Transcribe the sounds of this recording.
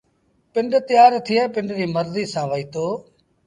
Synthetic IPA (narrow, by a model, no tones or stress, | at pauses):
pɪɳɖt̪ɪjaːɾt̪ʰɪjɛ̃ːpɪɳɖɾiːməɾziːsãːʋəiːt̪oː